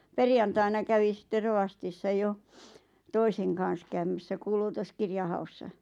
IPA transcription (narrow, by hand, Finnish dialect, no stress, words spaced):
perjɑntɑinɑ kæʋi sĭtːe roʋɑstisːɑ jo toiseŋ kɑˑn̞s kæymæsːæ kuːlutoskirjɑ hɑusːɑ